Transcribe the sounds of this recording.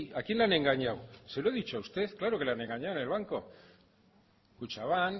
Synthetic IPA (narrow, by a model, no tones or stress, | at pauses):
akinlane̞ŋɡaɲawsewɾeðit͡ʃuaust̪e̞θklaɾo̞kelane̞ŋɡaɲawnelβaŋko̞ | kut͡ʃaβan